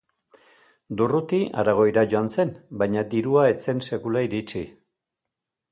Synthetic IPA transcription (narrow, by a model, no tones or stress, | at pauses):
d̪urut̪iʔa̰ɾaɣ̞o̞jɾaʝo̞anse̞nbajɲad̪iɾuae̞t͡se̞nse̞kulaiɾit͡ʃi